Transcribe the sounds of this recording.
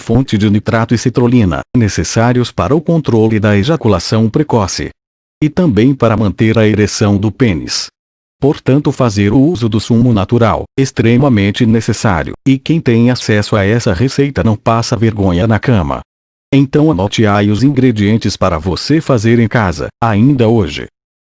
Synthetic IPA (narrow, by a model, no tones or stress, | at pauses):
fõnt͡ʃɪd͡ʒɪnit̪ɾat̪ʊɪset̪ɾolĩnɐ̰nesesaɾjʊspaɾɐʊkõnt̪ɾolʊɪd̪ɐeʒakulasɐ̃w̃pɾekɔsɪ̰ | ɪt̪ɐ̃mbẽj̃paɾɐmɐ̃nt̪eɾɐeɾesɐ̃w̃d̪ʊpẽnɪ̰s | poɾt̪ɐ̃nt̪ʊfazeɾʊuzʊd̪ʊsũmʊnat̪uɾa̰west̪ɾemɐmẽnt͡ʃɪnesesa̰ɾjʊ̰ɪkẽj̃t̪ẽj̃asɛsʊaɛsɐʁesejt̪ɐnɐ̃w̃pasɐveɾɡõɲɐnɐkɐ̃mɐ̰ | ẽt̪ɐ̃w̃ɐnot͡ʃiaɾjʊzĩɡɾed͡ʒiẽnt͡ʃɪspaɾɐvosefazeɾẽj̃kazɐ̰aĩnd̪ɐoʒɪ̰